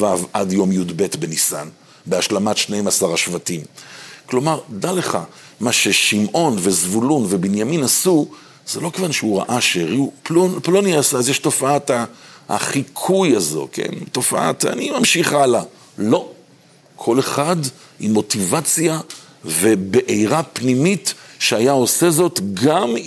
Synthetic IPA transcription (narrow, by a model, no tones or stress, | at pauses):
vavʔadjo̞mjudbe̞tbenisa̰n | beaʃlamatʃnejmasaʁaʃvatimklo̞maʁdale̞χa̰ | maʃe̞ʃimʔo̞nve̞zvulunve̞binjaminasu | z̥elo̞kevanʃeuʁa̰ʔaʃeʁiuplonplonjasazjɛʃto̞faataa̰χikʰujazo̞̰kʰḛnto̞fa̰ʔa̰ta̰nimamʃiχala | lo̞ | kʰo̞le̞χad | imːo̞tivat͡sja | ve̞be̞ʔejʁapnimitʃeajao̞se̞zo̞tɡam